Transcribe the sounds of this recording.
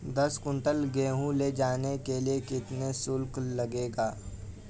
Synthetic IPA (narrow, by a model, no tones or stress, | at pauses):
d̪ɐskʊ̃ɳʈəlɡeːɦũled͡ʒaːnekeliekɪt̪nesʊlklɐɡeːɡaː